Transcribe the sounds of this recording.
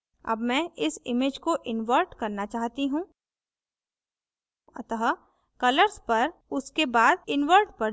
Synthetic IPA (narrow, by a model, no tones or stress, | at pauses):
ɐ̰bmɛ̃ɪsɪmeːd͡ʒkoʔɪnʋəɾʈkɐɾnat͡ʃaːɦt̪iɦũː | ɐt̪əɦ | kɐləɾspɐɾʊskebaːd̪ɪnʋəɾʈpɐ